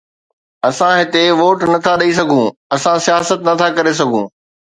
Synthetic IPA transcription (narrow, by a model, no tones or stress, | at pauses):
ɐsãɦɪt̪eʋoːʈnɐt̪ʰaɗɐis̬ɐɡʱũɐsãsijaːsət̪nɐt̪ʰakɐɾes̬ɐɡʱũː